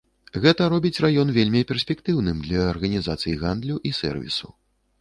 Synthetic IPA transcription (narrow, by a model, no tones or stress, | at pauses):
ɣɛt̪ɐɾɔbʲit͡sʲrajɔnvʲelʲmʲipʲɛrsʲpʲɛkt̪ɨwnɨmd̪lʲɐːrɣɐnʲizat̪sɨjiɣand̪lʲuʔisɛ̰rvʲḭsu